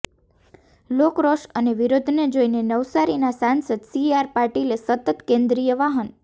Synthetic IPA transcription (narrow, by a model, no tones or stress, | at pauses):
lokɾoʃəneʋiɾod̪ʱned͡ʒoinenəʋsaɾinasãnsəd̪siaɾpaɾʈilesət̪ət̪kẽnd̪ɾijəʋaɦən